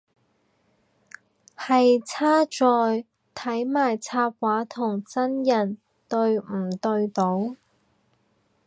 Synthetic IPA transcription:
hɐ˨jt͡sʰaː˥t͡sɔː˨˧j | t̪ʰɐ˨˥jmaː˨˩jt͡sʰaː˧p̚waː˨˥t̪ʰʊ˨˩ŋt͡sɐ˥njɐ˨˩n | t̪ɵ˧ɥm̩˨˩t̪ɵ˧ɥt̪o˨˥w

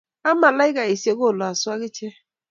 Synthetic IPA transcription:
a˦ma˨la˦i˦ka˨i˨se˦ɡo˦˨lɔ˨a˨sʊ˦a˦ɣɪ˦t͡ʃe˦

